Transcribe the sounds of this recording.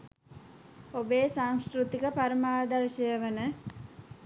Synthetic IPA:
obeːsaŋskɾut̪ikəpaɾəmaːd̪ɐɾʃəjəʋənə

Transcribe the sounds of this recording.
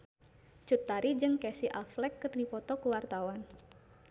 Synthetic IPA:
t͡ʃut̪ːaɾid͡ʒɨŋkɛsiʔaflɛkːɨrdipɔt̪ɔkəwart̪awan

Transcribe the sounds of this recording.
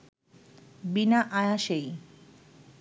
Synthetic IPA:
binaʔajaʃej

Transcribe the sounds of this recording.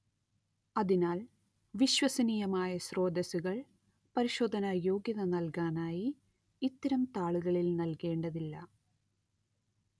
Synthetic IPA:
ɐðinaːl | ʋiɕwɐsɐniːjɐmaːjɐɕro̞ːd̪ɐsuɣɐɭ | pɐɾiɕoːd̪ʱɐnɐjo̞ːɡjɐðɐnɐlkaːnaːjiː | t̪ːɐɾɐmt̪aːɭuɣɐɭilnɐlke̞ːɳɖɐðilːɐ

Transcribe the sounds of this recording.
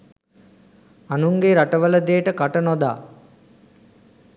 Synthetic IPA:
anuŋɡeɾaʈəʋələd̪eːʈəkaʈənod̪a̰ː

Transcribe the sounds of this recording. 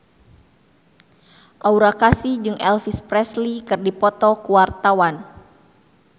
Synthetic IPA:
ʔauɾakasid͡ʒɨŋʔɛlfispɾɛslikɨrdipɔt̪ɔkuwart̪awan

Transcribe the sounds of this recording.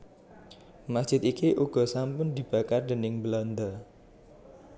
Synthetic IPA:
masd̥ʒ̥ɪt̪ikiʔuɡ̥ɔ̤sampʊnd̪i̤b̥a̤kard̪ənɪŋbəlɔnd̪a

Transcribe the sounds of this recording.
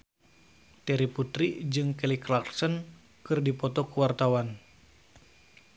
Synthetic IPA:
t̪ɛɾiput̪ɾid͡ʒɨŋkɛliklaksən | kɨrdipɔt̪ɔkuwart̪awan

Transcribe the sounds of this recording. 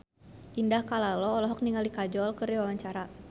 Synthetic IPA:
ʔindahkalalɔːlɔɦɔk̚niŋalikad͡ʒɔlkɨriwawaɲt͡ʃaɾa

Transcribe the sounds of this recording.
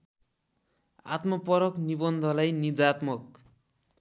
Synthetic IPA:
a̰t̪mʌpʌɾʌknibʌnd̪ʱʌlajnid͡zat̪mʌk̚

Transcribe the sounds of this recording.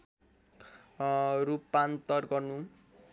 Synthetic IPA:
ɾupːant̪ʌrɡʌrnu

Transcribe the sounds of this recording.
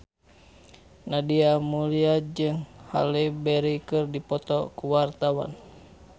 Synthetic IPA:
nadiamuliad͡ʒɨŋha̰lɛbɛɾikɨrdipɔt̪ɔkuwart̪awa̰n

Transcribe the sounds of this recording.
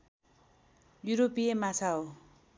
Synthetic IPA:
juɾopiemat͡sʰaɦo

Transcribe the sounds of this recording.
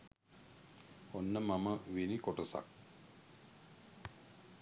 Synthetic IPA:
onːəmaməʋinikoʈəsa̰k̚

